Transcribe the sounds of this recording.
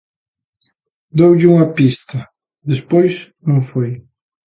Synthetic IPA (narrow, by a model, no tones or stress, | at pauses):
d̪owʎɪuŋɐpist̪ɐ | d̪espojsnõŋfoj